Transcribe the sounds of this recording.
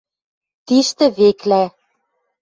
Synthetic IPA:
t̪iʃt̪ɘ̆βeklæ

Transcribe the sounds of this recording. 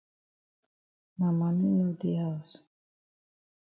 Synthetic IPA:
mamaminod̪ijas

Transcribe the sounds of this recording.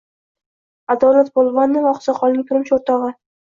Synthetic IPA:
ad̪ɒlat̪̚bolˠvɑnːɪvɒqsɑqʰɒlnɪŋt̪ʰʊɾɪmt͡ʃʰoɾt̪ɒʁɨ

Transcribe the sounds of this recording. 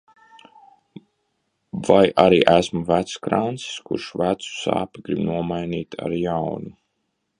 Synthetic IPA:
vajʔaɾiːʔæsmuvæt̪skɾant̪si̥skṵɾʃvæt̪su̥sa̰ːpiɡɾibnuɔmajniːt̪ʰa̰ɾjawnu

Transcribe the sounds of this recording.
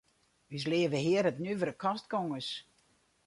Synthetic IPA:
ys̬lɪəvəɦɪəɾətnyʋəɾəkʰɔstkoŋəs

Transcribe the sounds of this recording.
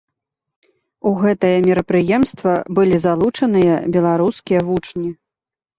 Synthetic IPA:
uɣɛt̪ɐjɐmʲɛɾɐpɾɨjɛmst̪vɐbɨlʲizalˠut͡ʂɐnɨjɐ̰bʲɛlˠaɾuskʲijɐvut͡ʂnʲi

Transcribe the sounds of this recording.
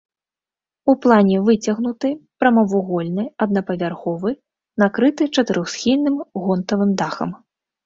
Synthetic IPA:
uplˠanʲɛvɨt͡sʲɐɣnut̪ɨpɾɐmɐvuɣɔlʲnɨjɐd̪̚nɐpɐvʲarxɔvɨ | nakɾɨt̪ɨt͡ʂɐt̪ɨɾʔɔxsxʲilʲnɨmɣɔnt̪ɐvɨmd̪axɐ̰m

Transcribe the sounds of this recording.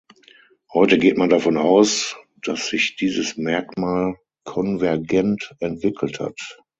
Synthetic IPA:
hɔʏtəɡeːtmandafɔnaʊs | d̥asz̥ɪçd̥iːzəsmɛɐkmaːl | kʰɔnvɛɐɡɛntɛntv̥ɪkl̩tha̰t

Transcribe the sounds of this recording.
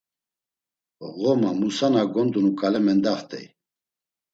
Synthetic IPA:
ʁɔmamusanaɡɔnd̪unukʼalɛmɛnd̪aχt̪ʼɛ̰j

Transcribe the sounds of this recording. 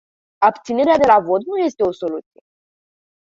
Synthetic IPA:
ap̚t̪sine̞ɾead̪e̞lavo̞t̪nuje̞st̪e̞o̞so̞lut̪sije̞

